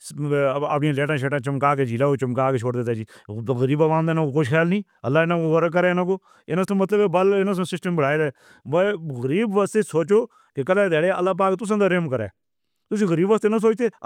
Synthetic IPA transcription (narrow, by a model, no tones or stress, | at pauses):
əpniãːleːʈãːʃeːʈãːt͡ʃəmkaːked͡ʒiːlaːoːt͡ʃəmkaːkeːt͡ʃʰoːɽd̪eːt̪aːd͡ʒiːɣəɾiːbaʋãːnd̪aːnãkoːkoʃxʰɛːlnĩː | ə̰lːaːɪnãkoɣəɾk̬əɾeːɪnãːkoː | ɪnãt̪õːmət̪ləbbəlɪnãːs̬õːsɪsʈəmbəɽ̤aːeːd̪a | bəɣəɾiːbʋaːst̪eːsoːt͡ʃoː | kekəlɛːd̪ɛːɽeə̰lːaːp̬aːkt̪ʊs̬ãːd̪aːɾemkəɾɛ̰ː | t̪ʊs̬ĩːɣəɾiːbʋaːst̪eːnas̬oːt͡ʃt̪eː